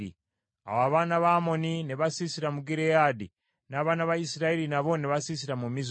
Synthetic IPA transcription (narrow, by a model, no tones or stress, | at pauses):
ḭ | a̰waβanaβaːmonineβasisiɾamuɡiɾejadi | naβaːnaβaisiɾaeɾinaβoneβasis̬iɾamumiz